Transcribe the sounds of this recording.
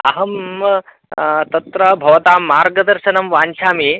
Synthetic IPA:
ɐ̰ɦɐm | t̪ɐt̪ɾɐbʱɐʋt̪aːmːaːɾɡɐd̪ɐɾʃɐnɐmʋaːnt͡ʃʰaːmiː

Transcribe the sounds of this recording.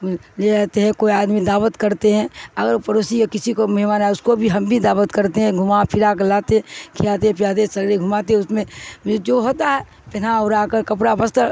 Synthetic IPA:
leɛɦt̪eɦɛ̃koiaːd̪mid̪aːʋət̪kɐɾt̪eɦɛ̃ɐɡəɾpɐɾoːsikekɪsikomɐɦɪmaːnaɛʊskobʱiɦɐmbʱid̪aːʋət̪kɐɾt̪eɦɛ̃ɡʱʊmapʰɪɾak̬əlaːt̪ẽkʰɪlaːt̪eɦɛ̃pijaːt̪̬esɐɡɾeɡʱʊmaːt̪eʊsmẽed͡ʒoɦoːt̪aɦɛ | pɪnaʊɾakəɾkɐpɽabəst̪

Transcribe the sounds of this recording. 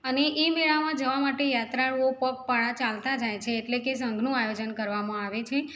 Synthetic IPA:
əneʔemeɭamãd͡ʒəʋamaʈejat̪ɾaɭʋopək̚paɭãt͡ʃalt̪ad͡ʒajt͡ʃʰeːʈlekes̬əŋɡʱnũajod͡ʒənkəɾʋamãaʋet͡ʃʰe

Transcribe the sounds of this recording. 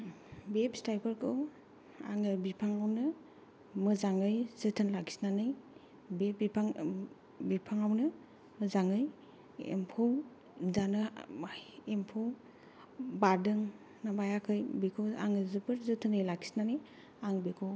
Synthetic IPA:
bepstajpʰɯɾkʰɯw | aŋɯbipʰaŋawnɯ | mɯzaŋɯjzɯtʰɯnlakʰi̥snanɯj | beipʰaŋ | bipʰaŋawnɯ | mɯzaŋɯj | ḛmpʰow | zanɯ | empʰow | baɾdɯŋ | nabajakʰɯjbikʰoa̰ŋɯzɯpʰɯɾzɯtʰɯnɯjlaki̥snanɯj | aŋbikʰo

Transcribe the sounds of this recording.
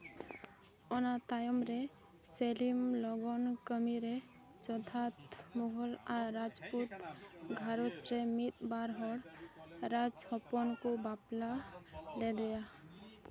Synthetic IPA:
ɔnat̪ajəmɾe | selimlɔɡɔnkəmiɾe | t͡ʃɔt̪ʰat̪moɦəlaːad͡ʒput̪ɡʱaɾot͡ʃɾemit̪baɾɦɔɽɾad͡ʒhɔpɔnkobaplaled̪ɛja

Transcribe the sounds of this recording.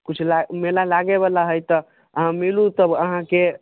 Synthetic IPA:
kut͡ʃʰlamelalaɡeβalaɦəjt̪ə | əɦãmilut̪əbəɦãke

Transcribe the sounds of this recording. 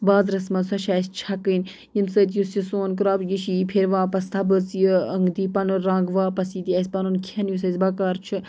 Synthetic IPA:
baːzɾɐsmɐnsɐʃaːst͡ʃʰɐkɨn | jimsəːt̪just͡ʃisoːnkɾaːbjiʃiːpʰeɾʋãːpɐst̪ʰɐbɨt͡sjiəŋɡd̪iːpɐnuɾãːŋɡʋaːpɐsiːt̪iɐsʲpɐnunkʰɐnjusɐzʲbɐkaːɾt͡ʃʰɨ

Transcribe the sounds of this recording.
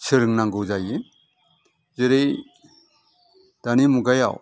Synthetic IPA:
t͡ʃʰɯɾɯŋnaŋɡɯwzaji | zeɾej | d̥animuɡaja̰w

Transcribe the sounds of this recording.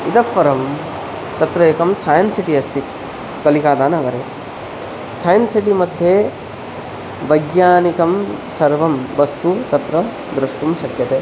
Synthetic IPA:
it̪ɐfːɐɾɐm | t̪ɐt̪ɾɐjeːkɐmsaːjɐnsiʈiɐst̪ik | kːɐlikaːd̪aːnɐʋɐɾe | saːjɐnsiʈimɐd̪ʱjeː | ʋɐjɡjaːnikɐm | sɐɾʋɐmʋɐst̪ut̪ɐt̪ɾɐ | d̪ɾɐʂʈumʃɐkjɐt̪eː

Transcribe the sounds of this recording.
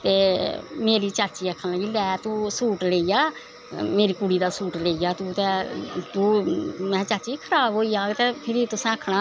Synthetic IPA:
t̪eːmeːɾiːt͡ʃaːt͡ʃiːəkʰːənləɡiːlɛːt̪ũːsuːʈleːiːjaː | meːɾiːkuːɽiːd̪aːsuːʈleːijaːt̪ũːt̪ɛːt̪ũːmɛ̃ːt͡ʃaːt͡ʃiːkʰəɾaːbɦoːiːaːɡt̪eːpʰɪɾit̪ʊsɛ̃ːəkʰːɳaː

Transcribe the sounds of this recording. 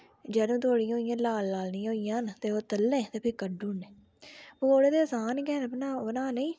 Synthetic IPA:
d͡ʒeːd̪ũːt̪oːɽijɦoːijãːlaːlːaːlnĩɦoːijãːnt̪eːoːt̪əlːẽːt̪eːpʰiːkəɖuːɳeː | ooːɽeːd̪eːsaːnkɛːnnaːbənaːnĩː

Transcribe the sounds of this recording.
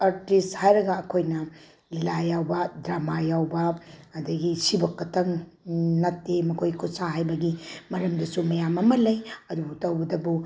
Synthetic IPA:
aɾtisthajɾɐɡɐːkʰojnɐ | lilajawbɐdɾamajawbɐːdɐɡisibɐkːɐtɐŋnɐtːemɐkʰojkʰusaɦajbɐɡimɐɾɐmdɐsumɐjamɐmɐlɐjɐdubutɐwɡɐdɐbu

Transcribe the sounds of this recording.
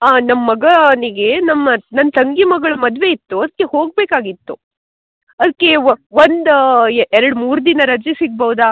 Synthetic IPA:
aːnɐmːɐɡɐniɡenɐmːɐnɐnːt̪ɐŋɡimɐɡɐɭɐmɐd̪ʋe̞it̪ːuɐd̪ɐkːe̞ho̞ːɡ̚beːkaːɡit̪ːu | ɐd̪ɐkːe̞ʋond̪ɛɾɐɽmuːɾd̪inɐɾɐd͡ʒisiɡ̚bɐʋd̪a

